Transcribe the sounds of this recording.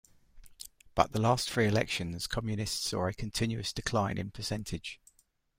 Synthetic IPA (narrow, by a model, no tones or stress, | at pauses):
b̥ʌ̰ʔðəlɑˑstθɹiːɪlɛkʃə̃nz̥kʰɒmjɨnɪstsɔ̰ːɹəkʰə̃ntʰɪ̃njʉəsd̥ɪkʰl̥ãɪ̃nʔɪ̰̃npʰəsɛ̃ntʰɪ̥ʒ̥